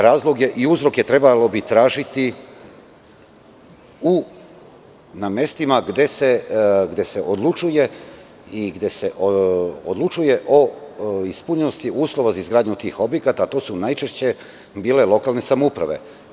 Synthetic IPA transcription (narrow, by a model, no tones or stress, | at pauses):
ɾaːzlˠoɡje̞ʔiuzɾo̞kjet̪ɾe̞balo̞bit̪ɾaːʒit̪i | u | name̞st̪imaɡd̪eseɡd̪e̞se̞ʔod̪lˠut͡ʃuje̞ | iɡd̪eseʔod̪lˠut͡ʃuje̞ʔoispuɲenost̪iʔuːslˠo̞ʋazaizɡɾaːd̪ɲut̪iːxo̞bje̞kat̪aːt̪o̞ːsunajt͡ʃeʃt͡ɕe̞ | biːle̞lˠo̞kalˠne̞samoupɾa̰ʋe̞̰